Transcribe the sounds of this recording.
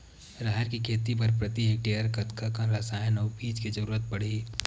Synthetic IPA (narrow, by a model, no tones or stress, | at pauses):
ɾaːɦɛɾkikʰeːt̪ipɐɾpɾɐt̪iɦɪk̚ʈeəɾkɐt̪kʰakãɾasaːenɐwpiːd͡ʒked͡ʒəɾuːɾət̪̚pɐɽ̤i